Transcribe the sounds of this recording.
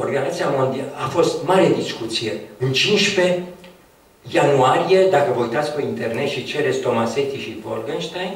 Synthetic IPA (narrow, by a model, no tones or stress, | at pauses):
orɡanat̪siamond̪ialafo̞st̪maɾe̞d̪iskut̪sije̞ɨnt͡ʃinʃpe̞ | januaɾije̞d̪akəvəujt̪at̪sʲpeint̪e̞rne̞t̪ʃit͡ʃe̞ɾe̞t̪sʲt̪o̞mase̞t̪iʃivorɡənʃt̪ajn